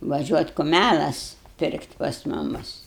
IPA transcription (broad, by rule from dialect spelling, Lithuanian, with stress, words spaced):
ʋɐˈʒʲuɔtʲ kʊˈmʲælˠɐs ˈpʲɪrktʲɪ pɐs ˈmʊmʊs